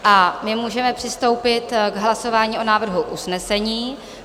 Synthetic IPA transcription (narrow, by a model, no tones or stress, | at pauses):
ʔamɪmuːʒɛmɛpr̥ɪst̪o̞wpɪt̪ɡɦlaso̞vaːɲiːʔo̞naːvr̩ɦuʔusnɛsɛɲiː